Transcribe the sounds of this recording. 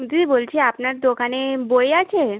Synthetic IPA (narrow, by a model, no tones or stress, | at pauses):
d͡ʑibolt͡ɕʰeapnaɾd̪okanebojeat͡ɕʰe